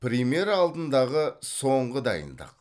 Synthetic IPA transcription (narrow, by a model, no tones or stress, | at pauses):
pɾʲimje̞ɾɑlˠd̪ənd̪ɑʁəso̞ɴʁəd̪ɑ̰jə̰nd̪ə̰q